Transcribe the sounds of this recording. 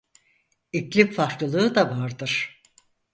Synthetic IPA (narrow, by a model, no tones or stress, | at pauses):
iclʲipfaɾklˠɯlˠɯːɯd̪avaɾd̪ɯɾ̥